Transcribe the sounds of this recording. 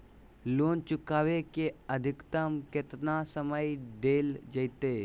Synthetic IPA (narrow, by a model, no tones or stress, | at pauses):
loːnt͡ʃʊkaːʋekeəd̪ʱɪkt̪əmkɪt̪nasəməjɖ̪eːld͡ʒəjt̪eː